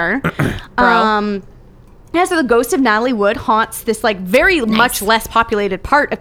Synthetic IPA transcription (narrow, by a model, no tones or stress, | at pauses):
ʌ̃m | ɨ̃nsoʊðəɡoʊstʌvnɑɾl̩ˠiwʊd̚hɑ̃ntsðɪslaɪkvɛɹimʌt͡ʃlɛspʰɑpjɨleɪɾɨd̚pʰɑɹɾɨ